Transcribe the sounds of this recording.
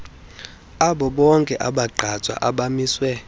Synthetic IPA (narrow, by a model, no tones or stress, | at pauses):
aɓɔɓɔŋkʼɛʔaɓaǃʱat͡sʼwa̰ʔaɓamiːswɛ